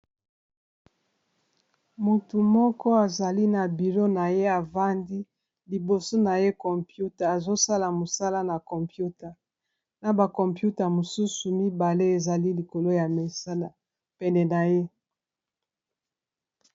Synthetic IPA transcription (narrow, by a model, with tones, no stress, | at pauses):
mu˨tu˨mɔ˦kɔ˦a˨za˨li˦na˨bi˨lo˦na˨je˦a˨va˦ndi˦ | li˨bo˨so˦na˨je˦kɔ˨mpju˦ta˨a˨zo˦sa˦la˨mo˨sa˦la˦na˨kɔ˨mpju˦ta˨ | na˨ba˨kɔ˨mpju˦ta˨mo˨su˦su˨mi˦ba˨le˦e˨za˨li˦li˨ko˨lo˦ja˨me˨sa˦la˨ | pɛ˨ndɛ˨na˨je˦